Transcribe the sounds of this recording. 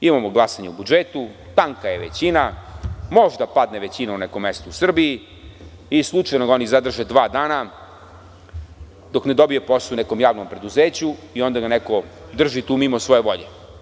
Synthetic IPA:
imamoɡlˠasaɲeubud͡ʒet̪ut̪aŋkaje̞ʋḛt͡ɕinamo̞ʒd̪apad̪neʋe̞t͡ɕinaunekomːest̪ousr̩bii | islˠut͡ʃajnoɡao̞nizad̪r̩ʒed̪ʋaːd̪aːna | d̪o̞kne̞d̪o̞bijoposunekomjaːʋnompɾe̞d̪uzeːt͡ɕuiond̪aɡanekod̪r̩ʒit̪uːmimosʋo̞je̞ʋo̞ʎḛ

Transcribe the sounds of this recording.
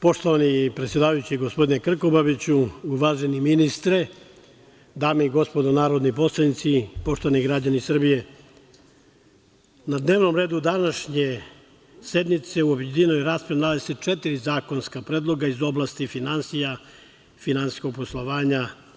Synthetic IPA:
po̞ʃt̪oʋanipɾet̪sjed̪aːʋajut͡ɕiɡospo̞d̪inekr̩ko̞baʋit͡ɕuuʋaːʒeniminist̪ɾe | d̪aːmeiɡo̞spo̞d̪onaːɾo̞d̪nipo̞slˠanit̪sipo̞ʃt̪oʋaniɡɾad͡ʑanisr̩bije̞ | nad̪ne̞ːʋno̞mɾeːd̪ud̪anaʃɲe | se̞d̪mit̪se̞uobjed̪inojɾaːspɾenaleset͡ʃet̪iɾizaːko̞nskapɾed̪lˠo̞ɡaizo̞blˠast̪ifinansija | finansi̥sko̞ɡ̚po̞slˠoʋaːɲa

